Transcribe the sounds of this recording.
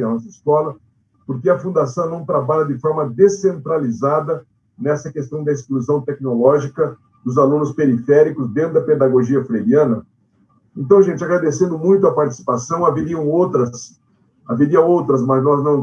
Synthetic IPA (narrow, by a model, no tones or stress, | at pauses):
ɐnɔsɐiskɔlɐ | poɾk̬ɪɐfũd̪asɐ̃w̃nɐ̃w̃t̪ɾabaʎɐd̪ɪfɔɾmɐd̪esẽnt̪ɾalizad̪ɐ | nɛsɐkest̪ɐ̃w̃d̪ɐiskluzɐ̃w̃t̪ɛknolɔʒikɐ | d̪ʊzalũnʊspeɾifɛɾikʊzd̪ẽt̪ʊd̪ɐped̪aɡoʒiɐfɾeɾiɐ̃nɐ | ẽnt̪ɐ̃w̃ʒẽnt͡ʃɪaɡɾad̪esẽnd̪ʊmũj̃t̪̬ʊɐpaɾt͡ʃi̥si̥pasɐ̃w̃aveɾiɐ̃w̃owt̪ɾɐs | a̰veɾiɐowt̪ɾɐzmɐznɔznɐ̃w̃